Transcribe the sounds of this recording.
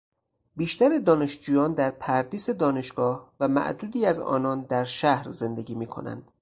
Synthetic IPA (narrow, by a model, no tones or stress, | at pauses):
biːʃt̪æɾed̪ɒːne̞ʃd͡ʒuːjɒːnd̪æɾpʰæɾd̪iːse̞d̪ɒːne̞ʃɡ̥ɒːhvæmæ̰ʔd̪uːd̪iːæzɒ̰ːnɒːnd̪æɾʃæhɾze̞nd̪eɡiːmiːkʰo̞̰næ̰nd̪̥